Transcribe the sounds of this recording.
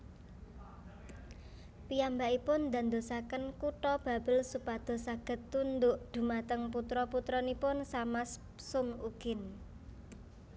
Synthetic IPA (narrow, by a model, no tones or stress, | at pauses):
piambaʔipʊnd̪a̤nd̪osakənkuʈɔb̥a̤b̥ə̤lsupad̪̥ɔ̤saɡ̥ə̤t̪ːund̪ʊʔd̪̥ṳmat̪əŋput̪ɾɔput̪ɾɔnipʊnsamaspsʊŋuɡ̥ɪn